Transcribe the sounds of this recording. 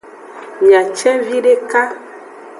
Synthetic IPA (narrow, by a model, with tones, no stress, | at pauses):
ja˨t͡ʃɛ˦vi˦ɖe˦ka˦